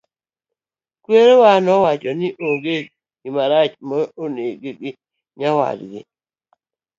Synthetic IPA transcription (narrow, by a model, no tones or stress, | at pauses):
kweɾewanɔwat͡ʃɔnɪʔoŋɡe | imaɾat͡ʃmɔoneɡeɡɪ | ɲawa̰dɡɪ̰